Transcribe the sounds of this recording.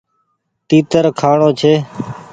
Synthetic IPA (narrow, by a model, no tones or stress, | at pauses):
t̪iːt̪əɾkʰaːɳoːt͡ʃʰeː